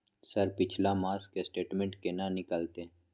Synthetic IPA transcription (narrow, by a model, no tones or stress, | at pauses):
səɾpɪt͡ʃʰlamaːskesʈeːʈmẽɳʈ̚kenanɪkəlt̪eː